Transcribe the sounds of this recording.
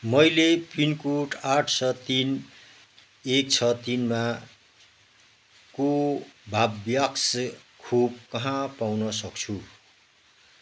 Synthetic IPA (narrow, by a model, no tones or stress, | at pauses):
mʌjlepinkuʈaʈʰsʌt̪in | ek̚t͡sʰʌt̪inma | kobʱabjakskʰub̚kʌɦãpawnʌsʌkt͡sʰu